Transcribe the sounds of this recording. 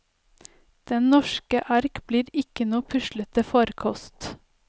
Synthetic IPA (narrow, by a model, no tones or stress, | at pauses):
d̪̥ɛnnɔʃkəʔɑɾkbliːɾɪkənuːpʰʉʃlət̪̚əfɔɾkʰɔst̪